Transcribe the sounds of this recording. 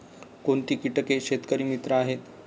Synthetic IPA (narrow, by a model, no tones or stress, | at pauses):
koɳt̪iːkiʈəkeɕet̪kəɾiːmit̪ɾəaɦet̪